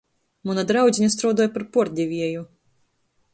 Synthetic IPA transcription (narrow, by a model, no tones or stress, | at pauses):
munad̪ɾawzʲinʲɛst̪ɾɔwd̪ɔːjpaɾpɔɾd̪ʲivʲiɛju